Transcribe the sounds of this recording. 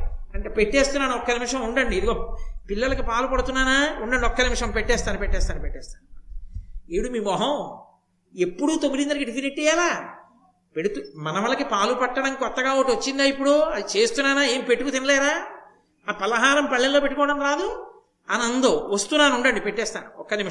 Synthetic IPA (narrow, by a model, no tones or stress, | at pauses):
ɐɳʈepeʈːeːst̪unːaːnuɔkːɐnimʂɐmuɳɖɐɳɖiːd̪iɡoːpilːɐlɐkipaːlupɐɽut̪unːaːnaːuɳɖɐɳɖiɔkːɐnimʂɐmpeʈːɛːst̪aːnupeʈːɛːst̪aːnupeʈːɛːst̪ḁːnu | eːɽumiːmɔɦɐ̃w | epːuɽuːt̪omilind̪ɐnɐkiʈikineʈːɛːjaːlaː | peɽut̪umɐnɐʋɐlɐkipaːlupɐʈːɐɽɐmkɔt̪ːɐɡaːoːʈiot͡ʃːind̪aːipːuɽuɐd̪it͡ʃe̞ːst̪unːaːnaːe̞ːmipeʈːukut̪inɐlɛːɾaː | apɐlɐɦaːɾɐmpɐɭːɐlloːpe̞ʈːukɔːɐɽɐmkaːd̪u | ɐnɐnd̪oːʋɐst̪unːaːnuɳɖɐɳɖipeʈːɛːst̪a̰ːnuɔkːɐnim